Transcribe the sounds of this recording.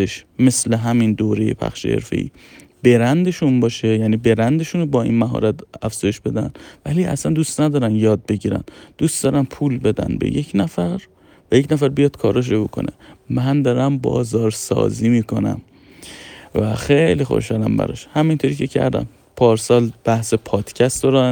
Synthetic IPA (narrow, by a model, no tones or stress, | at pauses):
eʃme̞sle̞ɦæmind̪oːɾejḛpʰæ̰xʃḛhḛɾfe̞̰ḭːbe̞ɾænd̪e̞ʃunbɒːʃejæːniːbeɾænd̪e̞ʃunobɒːḭːnmæɦɒ̰ːɾæt̪æfz̥ɒːjeʃbe̞d̪æ̰nvæliːæ̰sænd̪ust̪næd̪ɒːɾænjɒːd̪̚be̞ɟiːɾæ̰nd̪̥ust̪̚d̪ɒːɾænpʰuːlbe̞d̪æ̰nbḛje̞cʰnæfæɾ | væjecʰnæfæɾbijɒːd̪̥kʰɒːɾɒːʃ̬ebokʰo̞̰nemænd̪ɒɾæmbɒ̰ːzɒːɾsɒ̰ːziːmiːkʰo̞næ̰m | væxejlixo̰ʃhɒlæmbæ̰ɾɒ̰ʃhæmint̪ʰo̞ɾiːce̞cʰæ̰ɾd̪æ̰m | pʰɒːɾsɒːlb̥æhse̞pʰɒːd̪̥cʰæst̪d̪ɒɾæ